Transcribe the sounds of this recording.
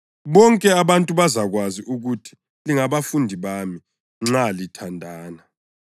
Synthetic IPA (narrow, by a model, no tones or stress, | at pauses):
βɔŋkʼɛaβantʼuβazaɣwaziʔuɣutʰi̥ | liŋaβafundʱiβami | ŋ͡ǁalitʰandʱaːna